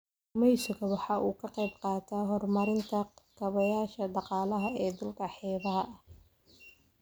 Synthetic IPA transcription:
mɛjsɔɣɐwɑħɑːʔuːkʰɐqɛjbqɑːt̪ʰaːɦɔrmɐɾɪnt̪ʰɐkʰɐβɐjaːʃɐɖɑqɑːlɐɦɐɛːd̪ʊlkʰɐħɛːðɐɦɐʔɐh

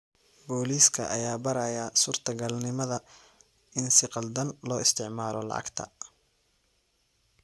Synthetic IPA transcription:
bɔːliːskʰɐ̰ʔɐjaːbɐɾɐjasuːrt̪ʰɐɡɐlnɪmɐðɐ | ɪnsɪqɑld̪ɐnlɔːɪst̪ʰɪʕmaːɾɔlɑ̰ʕɑ̰ɡt̪ʰɐ̰

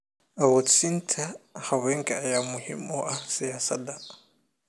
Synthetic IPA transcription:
awɔt͡sintʰahaweŋɡajamuhḭmɔʔasijasada

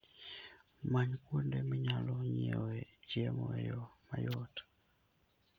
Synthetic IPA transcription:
maɲkundɛmiɲalɔɲiwɛd͡ʒiɛmɔɛjɔmajɔtḁ

